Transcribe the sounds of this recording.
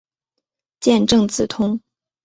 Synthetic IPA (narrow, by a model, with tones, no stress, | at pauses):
t͡ɕjɛ˥˧nʈ͡ʂɤ˥˩ŋt͡sɹ̩˨˩t̪ʰʊ˥ŋ